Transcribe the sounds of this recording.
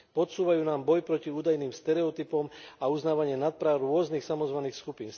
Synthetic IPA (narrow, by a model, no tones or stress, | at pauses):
pɔt̪suːʋajuːnaːmbɔjpɾɔciuːd̪ajniːmst̪ɛɾɛɔt̪ipɔmauznaːʋaɲɪɛnat̪̚pɾawɾʊɔznixsamɔzʋaniːxskupiːn